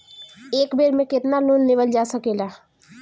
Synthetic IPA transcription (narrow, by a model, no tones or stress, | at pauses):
eːkbʱeɾmẽkɪt̪nalunːeʋəld͡ʒasəkela